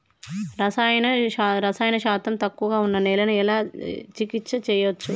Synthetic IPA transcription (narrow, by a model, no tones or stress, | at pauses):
ɾɐsaːjɐnɐaɾɐsaːjɐnɐʃaːt̪ɐmt̪ɐkːuʋɐɡaːunːɐnɛːlɐnuɛlaːt͡ʃikit̪sɐt͡ʃɛːjɐʋɐt͡ʃːu